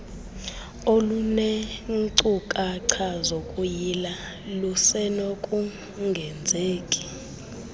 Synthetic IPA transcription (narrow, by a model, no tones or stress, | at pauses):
olunɛŋ̩ǀukʼaǀʰazokʼujila | lusɛnokʼu | ŋɡʱɛnd͡zʱeːkʼi̥